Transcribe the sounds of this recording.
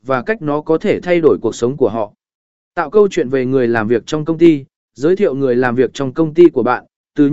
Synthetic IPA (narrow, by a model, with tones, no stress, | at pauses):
vaː˨˩ka˦˥jk̟̚nɔ˨˦kɔ˨˦t̪ʰe˧˩t̪ʰa˧jɗo˧˩jku˨˩ək̚sə˨˦wŋ͡mku˧˩əɦɔ̰˧˨ | t̪a̰ː˧˨wkə˧wt͡ɕwḭ˧˨ənve˨˩ŋɨ˨˩əjlaː˨˩mvi˨˩ək̚t͡ɕɔ˧wŋ͡mkə˧wŋ͡mt̪i˧ | zəː˨˦jt̪ʰḭ˧˨ə˨wŋɨ˨˩əjlaː˨˩mvi˨˩ək̚t͡ɕɔ˧wŋ͡mkə˧wŋ͡mt̪i˧ku˧˩əɓa̰ː˧˨n | t̪ɨ˨˩